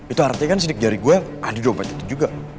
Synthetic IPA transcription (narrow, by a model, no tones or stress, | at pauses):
it̪uart̪ikans̬idɪk̚daɾiɡuaʔadidompat̪i̥t̪ud͡ʒuɡa